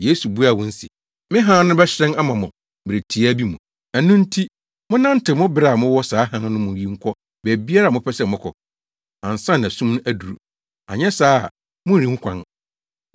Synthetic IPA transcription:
je˦su˨bu˦a˨wɔ̃˦n̩˦sḭ˨ | mɪ̃˦ɦãː˦nʊ̃˦bɛ˦ɕɪ˦ɾɛ̃˦na˦mã˨mʊ̃˨ | bɪ˨ɾe˨tʰi˨˦a˦bi˦mũ˨ | æ˨nũ˦n̩˦tʰi˦ | mʊ̃˦nã˦n̩˦tɪ˨mʊ̃˦bɪ˦ɾa˨mʊ̃˦wɔ˦saː˨˦ɦã˦n˦nʊ̃˦mʊ̃˨˦ji˦ŋ̩˦kʷʰɔ˦ | bɛ˨bi˦a˦ɾa˨mʊ̃˦pʰɛ˦sɛ˦˨mʊ̃˦kʰɔ̰˨ | ã˨n˨sã˦n˨æ˨sũ˦mñ˦æ˦˨du˨ɾṵ˨ | a̰˨ɲɛ̃˦saː˦˨ | mʊ̃˦˨ĩ˦hũ˦kʷʰã̰˦n

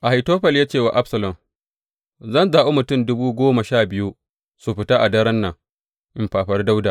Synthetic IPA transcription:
ʔa˨ha˨toː˦ɸɐ˨ljaː˦t͡ʃeː˦˨wa̰˨ʔa˦ɸsɐ˨lɐ˨m | zɐ˦˨nzaː˨ʔo˦mʊ˨tʊ˦˨mdʊ˦buː˦ɡʷoː˦ma˨ʃaː˦˨bɪ˦ju˦ | su˨ɸɪ˨taː˦ʔa˨dɐ˦ɾɐ˦nːɐ˨ŋ | ʔɪ˦mɸaː˨ɸɐ˦rda˦wdaː˨

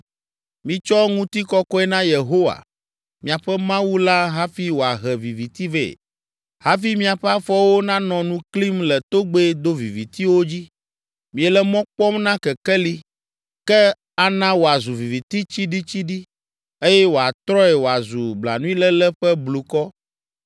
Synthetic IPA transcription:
mĩ˨t͡ʃɔ˦ŋũ˦t̪i˦kɔ˦kɔ˦ɛ˦nã˦je˨ɦo˦wa̰˨ | mĩ˨a˨ɸɛ˦mã˦wu˦la˦ɦa˦fi˦wo˨a˨ɦɛ˨vi˨vi˨t̪i˦vḛ˦˨ | ha˦fi˦mĩ˦a˨ɸɛ˦a˦fɔ˦wo˦nã˦nɔ̃˨nũ˦kli˦mlɛ˨t̪o˦ɡ͡be˦d̪o˦vi˨vi˨t̪i˦wo˦d͡ʑi˦ | mĩ˨ɛ˨lɛ˦mɔ̃˦k͡pɔ˦mnã˦kɛ˨kɛ˦li˦ | kɛ˦ | a˦nã˦wo˨a˨zu˨vi˨vi˨t̪i˦t͡ɕi˦ɖi˦t͡ɕi˦ɖi˦ | e˦jɛ˦wo˨a˨t̪ɾɔ˦ɛ˨wo˨a˨zu˨bla̰˨nũ˦ĩ˦lɛ˦lɛ˦ɸɛ˦blu˨kɔ˦

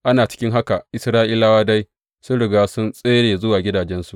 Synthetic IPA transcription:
ʔa˦naː˨t͡ʃɪ̥˦kʲɪ˦ŋɦa˦ka˨ʔɪ˦sɾaː˦ʔɪ˦la˦waː˦da˦j | sʊ˦nɽɪ˨ɡaː˦sʊ˦nsʼeː˦ɽeː˨zʊ˦waː˨ɡʲɪ˦daː˨d͡ʒɛ˦nsu˨ʔ

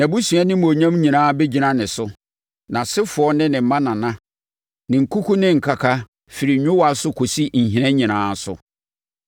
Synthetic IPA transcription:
nã˨bu˦sɥa˦nɪ̃˦m˨o˨ɲã˦mɲĩ˨nãː˦be˦d͡ʑi˨nã˦nɪ̃˨sʊ˦ | nã˨sɪ˦fʊ˨ɔ˦nɪ̃˦nɪ̃˨m̩˨mã˦nã˨nã˦ | nɪ̃˨ŋ̩˨kʰu˦kʰu˦nɪ̃˦ŋ̩˨kʰa˨kʰa˦ | fi˨ɾi˨ɲᶣʊ̃˦wa˨sʊ˦kʰo˨si˦ɲ̩˨ɦĩ˨˦ɛ̃˦ɲĩ˨nãː˨˦sʊ̰˨

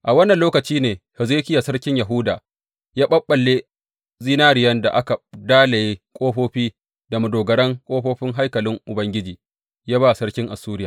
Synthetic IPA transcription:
ʔa˨wɐ˦nːɐ˨nloː˦kɐ˨t͡ʃiː˦neː˨hɛ˨zɾe˦kʲɪ˦ja˨sɐ˦rkʲɪ˦ɲja˨ɦʊ˦daː˨ | jaː˦ɓɐ˦ɓːɐ˨lːe˦ | zi˦naː˦ɾɪ˨jɐ˦nda̰˨ʔa˦ka˨daː˦le˨jeː˦kʷʼoː˦ɸoː˦ɸiː˦ | da˨mʊ˨doː˨ɡɐ˨ɽɐ˦ŋkʷʼoː˦ɸoː˦ɸɪ˦ŋɦa˦jkɐ˨lɪ˦ŋʔʊ˨bɐ˦ŋɡʲɪ˦d͡ʒiː˨ | jaː˦baː˦˨sɐ˦rkʲɪ˦ŋʔa˨suː˦ɾɪ˦jaː˨

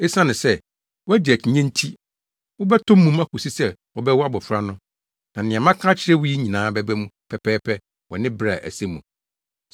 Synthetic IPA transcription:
e˦sã˦nɪ̃˨sɛ˦ | wɔ˦æ˦dɪ˨æ˨t͡ɕʰɪ˨ɲɛ̃˦n˦tʰi˦ | wɔ˦bɛ˦tʰʊ̃˦mːũ˦ma˦kʰʊ˨si˦sɛ˦wɔ˨bɛ˦wɔ˦a˦bɔ˨fɾa˦nʊ̃˦ | nã˨nɪ̃˨ã˨mã˦kʰã˦t͡ɕʰɪ˦ɾɛ˦wʊ˦ji˦ɲĩ˨nãː˨˦bɛ˦bɛ˦mũ˦pʰɛ˨pʰɛː˦pʰɛ˦ | wɔ˨nɪ̃˦bɾa˨ʔæ̰˨se˦mũ˨

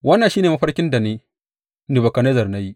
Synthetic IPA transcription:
wɐ˦nːa˨nʃiː˦neː˨mɐ˦ɸɐ˦rkʲɪ˦nda˨neː˦ | ni˨bɐ˨kɐ˨neː˦zɐ˨rna˦ji˦

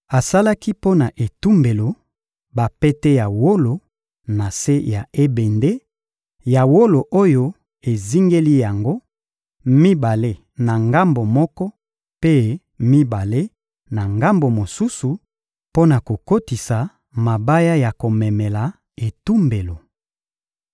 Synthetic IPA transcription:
a˨sa˦la˦ki˦po˦na˨ʔe˨tu˦mbe˨lo˨ | ba˨pɛ˦te˦ja˨wo˦lo˨ | na˨se˦ja˨e˦be˨nde˦ | ja˨wo˦lo˨ʔo˦jo˦ | e˨zi˦ŋɡe˦li˦ja˨ŋɡo˦ | mi˦ba˨le˦ | na˨ŋɡa˦mbo˨mɔ˦kɔ˦ | pe˦ | mi˦ba˨le˦ | na˨ŋɡa˦mbo˨mo˨su˦su˨ | po˦na˨ko˨ko˦ti˨sa˨ | ma˨ba˦ja˦ja˨ko˨mɛ˨mɛ˨la˨ | e˨tu˦mbe˨lo˨

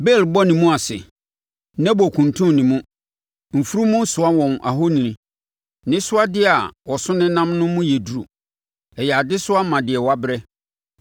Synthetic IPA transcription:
bɛ˦˨lbɔ˦nĩ˨mũ˦a˨sɪ̰˨ | nɛ̃˦bɔ˨kʰũ˨n˨tʰũ˦nĩ˨mũ˦ | m̩˨fu˦ɾu˦mʊ̃˦n̩˦sʊ˨a˦wɔ̃˨mʔa̰˨ɦo˦nĩ˨nĩ˨ | nɪ̃˦sʊ˦a˦dɪ˦a˨wɔ˨sʊ˦nɪ̃˦nã˦mnʊ̃˦mʊ̃˦jɛ˨du˨ɾu˨ | ɛ˨jɛ˨a˨dɪ˦sʊ˦a˦mã˨dɪ˨ɛ˨wa˦bɾɛ˦

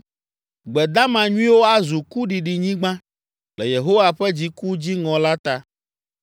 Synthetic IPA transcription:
ɡ͡bɛ˨d̪a˦mã˨ɲũ˦ĩ˦wo˦a˦zu˨ku˦ɖi˨ɖi˨ɲĩ˦ɡ͡bã˦ | lɛ˨je˨ɦo˦wa˨ɸɛ˦d͡ʑi˦ku˦d͡ʑi˦ŋɔ̃˨la˦t̪a˦

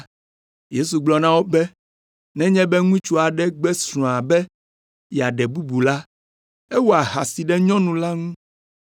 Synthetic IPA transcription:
je˦su˨ɡ͡blɔ˨nã˦wo˦bɛ˦ | nɛ̃˦ɲɛ̃˦bɛ˦ŋũ˦i˦t͡ʃu˦a˨ɖɛ˦ɡ͡bɛ˦sɾ̃ɔ̃˨a˨bɛ˦ | ja˨ɖɛ˨bu˦bu˨la˦ | e˦wo˦a˨ɦa˨si˨ɖɛ˦ɲɔ̃˦nũ˨la˦ŋũ˦

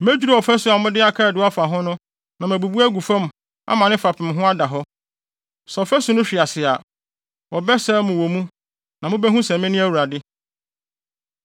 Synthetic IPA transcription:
mæ˦d͡ʑᶣu˦ɾa˦˨ɔ˨fæ˦sʊ˨a˨mʊ̃˦dɪ˦a˦kʰa˦ɾɛ˨dɪ˨˦a˦fa˨ɦʊ̃˦nʊ̃˦ | nã˨mæ˨bu˨bu˦æ˦ɡu˨fã˦m | a̰˦mã˨nɪ̃˦fa˨pʰɪ̃˨m˨ɦʊ̃˦a˦da˨ɦɔ˦ | sɛ˨fæ˦sʊ̃˨nʊ̃˦ɕᶣi˨a˨sɪ˨a˨ | wɔ˨bɛ˦sɛː˦mʊ̃˨wɔ˨mũ˦ | nã˨mʊ̃˦bɛ˦ɦũ˦sɛ̃˨mɪ̃˦nɪ̃˦æ˦wu˨ɾa˨dɪ˦

